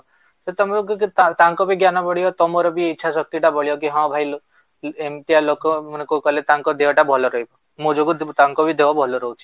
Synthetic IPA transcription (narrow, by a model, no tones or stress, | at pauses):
set̪ɔmɔkkit̪at̪aŋkɔbiɡjanɔbɔɭijɔt̪ɔmɔɾɔbiːtːt͡ʃʰʃʰasɔk̚t̪iʈabɔɭijɔk̬iɦɔ̃bʱajlo | emt̪ijalokɔmɔnekokɔlet̪aŋkɔd̪eɦɔʈabʱɔlɔɾɔɦibɔ | mõd͡ʒoɡut̪aŋkɔbid̪ebɔbʱɔlɔɾɔɦut͡ʃʰi̥